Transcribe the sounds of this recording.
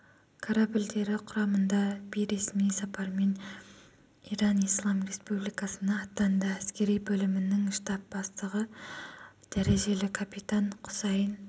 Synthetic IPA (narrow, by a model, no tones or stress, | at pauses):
kʰaɾabild̪e̞ɾɪqʰʊɾɑmənd̪ɑbijɾe̞smijsɑpɑɾme̞n | iɾɑnijslˠɑmre̞spublijkɑsənɑːt̪ːɑnd̪əæskʲe̞ɾijbɵlɪmɪnɪŋʃt̪ɑp̚bɑst̪əʁə | d̪̥æɾe̞ʒe̞lɪkʰapit̪aɴqʰʊ̥sɑjən